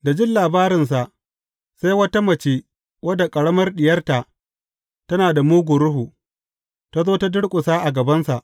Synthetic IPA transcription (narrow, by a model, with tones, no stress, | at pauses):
da˨d͡ʒɪ˦nlaː˨baː˦ɾɪ˨ns̬a˨ʔ | sa˦jwɐ˦ta˦mɐ˨t͡ʃeː˦ | wɐ˦da˨kʼɐ˨ɽɐ˦mɐ˦rɗɪ˨jɐ˦rta˨ʔ | tɐ˦naː˨da˨muː˦ɡʷʊ˨ɾʊ˦ɦu˨ | ta˦zoː˦ta˦dʊ˦ɽkʷʼʊ˨saː˦ʔa˨ɡɐ˨bɐ˦nsa˨ʔ